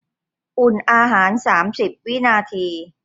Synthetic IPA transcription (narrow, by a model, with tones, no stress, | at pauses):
ʔu˨˩nʔaː˧ɦaː˩˦nsaː˩˦msi˨˩p̚wi˦˥naː˧t̪ʰiː˧